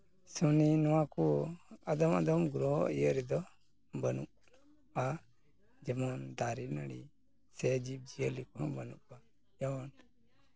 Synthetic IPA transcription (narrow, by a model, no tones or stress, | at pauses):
suninɔwãkuad̪ɔma̰d̪ɔmɡuɾɔijəɾid̪ɔ | bənuʔ | a | d͡ʒɛmɔnd̪aɾinaɽi | sɛd͡ʒib̚d͡ʒijəlikɔbənṵʔ̚ba | jan